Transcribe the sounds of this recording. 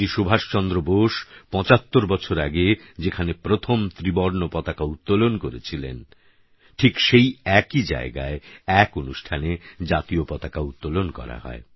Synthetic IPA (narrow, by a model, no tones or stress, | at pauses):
iʃobʱaʃt͡ɕɔnd̪ɾoboʃpɔ̃t͡ɕat̪ːoɾbɔt͡ɕʰoɾaɡe | d͡ʑekʰanepɾot̪ʰomt̪ɾibɔɾnopɔt̪akaut̪ːolonkoɾet͡ɕʰilḛn | ʈʰikʃejɛkid͡ʑa̰eɡaeɛkonuʃʈʰaned͡ʑat̪iopɔt̪akaut̪ːolonkɔ̰ɾa̰ɦɔ̰e